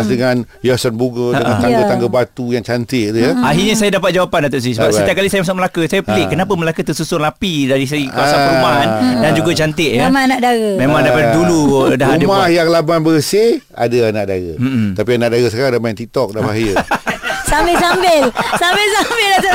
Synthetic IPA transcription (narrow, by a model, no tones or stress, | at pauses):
sdəŋanjasənbuɡədəʔŋant̪aŋɡət̪aŋɡəbat̪ujaŋt͡ʃant̪ɪʔt̪ujaaɦiɲas̬ajadapat̪̚d͡ʒawapandat̪̬oʔs̬isəbap̚sət̪ijap̚kalisajamasʊk̚məlakəsajapilɪʔkːənapəməlakət̪ərsusʊnlapidaɾis̬aikawasaɾumaɦandand͡ʒuɡat͡ʃant̪̬ɪʔjaamanaʔdaɣəmẽmãŋdapadduludaɦaəmahjaŋlabanbəsɪh | a̰daanaʔdaɣə̰m̩m̩t̪apianaʔdaɡəsəkaɾaŋdamajɛnt̪it̪ɔk̚dabaɦjə | sabɪsambɪlsabɪlsambɪldat̪a